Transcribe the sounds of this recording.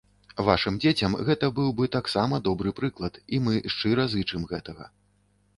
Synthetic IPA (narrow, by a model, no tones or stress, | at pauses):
vaʂɨmd͡zʲet͡sʲɐmɣɛt̪ɐbɨwbɨt̪aksamɐd̪ɔbɾɨpɾɨklˠɐt̪imɨʂt͡ʂɨɾɐzɨt͡ʂɨmɣɛt̪ɐɣɐ̰